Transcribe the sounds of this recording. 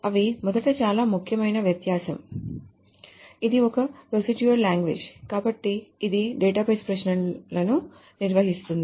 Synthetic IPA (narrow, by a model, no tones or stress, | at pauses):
ɐʋimɔd̪ɐʈɐt͡ʃaːlaːmukʰjɐmɐjnɐʋjɐt̪jaːsɐm | id̪iokɐpɾosiʈjuɐɾlaːŋɡʋeːd͡ʒkaːbɐʈːiːd̪iɖeːʈaːpeːspɾɐʃɳɐnlɐnu | niɾʋɐɦist̪und̪ii